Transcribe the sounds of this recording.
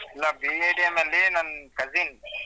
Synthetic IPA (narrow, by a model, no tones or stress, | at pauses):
laːbiːeːɖiamẽleːnɐnkɐziːn